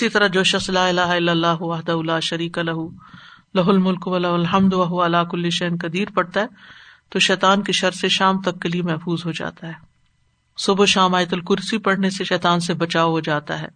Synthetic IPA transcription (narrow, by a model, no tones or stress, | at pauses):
ɪsit̪ɐɾad͡ʒoːʃɐxslaːɪlaːɦaɪlːɐlːaːɦʊʋɐɦd̪ɐɦulaːʃɐɾiːkalɐɦu | lɐɦʊlmʊlkʋɐlɐɦʊlɦɐmd̪ʋɐɦʊʋaɐlaːkʊlːɪʃɛɦnkɐd̪iːɾpɐɽt̪aɦɛː | t̪oːʃɛːt̪aːnkiʃɐɾseʃaːmt̪ɐkːeliemɛɦfuːzɦod͡ʒa̰ːt̪aɦɛː | sʊboʃaːmaːjt̪ʊlkʊɾsipɐɽ̤neseʃɛːt̪aːnsebɐt͡ʃaːoɦoːd͡ʒaːt̪a̰ɦɛ̰ː